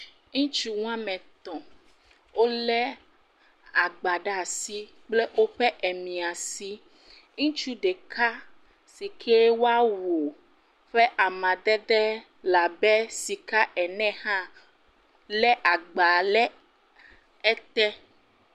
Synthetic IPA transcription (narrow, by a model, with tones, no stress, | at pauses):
ŋũ˦t͡ʃu˦w̃ã˦mɛ̃˨t̪ɔ̃˨ | wo˦lɛ˦ | a˨ɡ͡ba˨ɖa˨si˦ | k͡plɛ˦ʔo˦ɸɛ˦ʔɛ˨mĩ˨a˨si˦ | ŋũ˦t͡ʃu˦ɖɛ˨ka˦ | si˨kʰɛ˦wo˦a˦wo˨ | ɸɛ˦ʔa˨mã˨d̪ɛ˦d̪ɛ˦ | la˨bɛ˦si˨ka˦ʔɛ˨nɛ̃˦hã˦ | lɛ˦ʔa˨ɡ͡ba˨lɛ˦ | ɛ˦t̪ɛ˦